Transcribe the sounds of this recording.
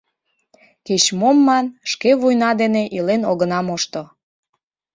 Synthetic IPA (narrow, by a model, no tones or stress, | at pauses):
ket͡ɕmomːɑnʃkeβujnɑd̪eneʔilenoɣənɑmoʃt̪o